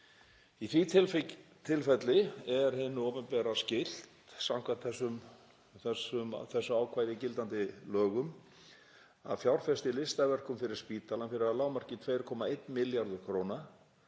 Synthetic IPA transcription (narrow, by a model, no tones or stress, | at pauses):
iθvi | t̪ʰɪlfɛt̪lɪɛɾ̥hɪnːʏɔːwpɛnpɛɾascɪl̥t̪sawŋ̥kʰvat̪θɛsːʏm | θɛsʏmθɛsːʏaːwkʰvaːjðɪcɪlt̪ant̪ɪlœːɣʏm | a̰ðfjawɾ̥fɛst̪ɪlɪst̪avɛr̥kʏmfɪɾɪɾ̥spiːt̪alanmfɪɾɪɾðalaːwmar̥cɪt̪ʰveːjɾkʰɔːmaejt̪nmɪljaɾðʏɾ̥kʰɾoːwna